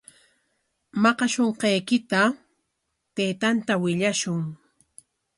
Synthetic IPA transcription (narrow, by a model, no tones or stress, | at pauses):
mɑqɑʃoɴqɑjkɪt̪a | t̪ejt̪ant̪awɪʎaʃʊŋ